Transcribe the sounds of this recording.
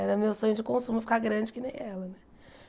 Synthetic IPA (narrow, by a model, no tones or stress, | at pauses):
ɛɾɐmewsõɲʊd͡ʒɪkõsũmʊɪfi̥kaɡɾɐ̃d͡ʒɪkɪnḛ̃j̃ɛlɐnɛ